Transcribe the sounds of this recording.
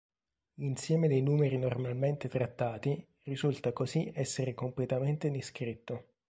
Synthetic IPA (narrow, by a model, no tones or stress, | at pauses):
insjɛːmed̪ejnuːmeɾinormalment̪et̪ɾat̪ːaːt̪i | rizult̪akoziɛsːeɾekomplet̪ament̪ed̪iskɾit̪ːo